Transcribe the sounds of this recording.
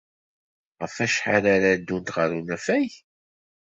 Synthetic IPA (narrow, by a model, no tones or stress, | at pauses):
ʁəfæʃħaɾaɾad̪ːunt̪ʁəɾunæfæj